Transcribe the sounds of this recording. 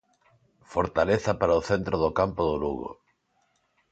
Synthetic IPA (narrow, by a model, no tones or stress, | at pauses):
foɾt̪aleθɐpaɾaoθent̪ɾoðʊkampoðʊluɣo̰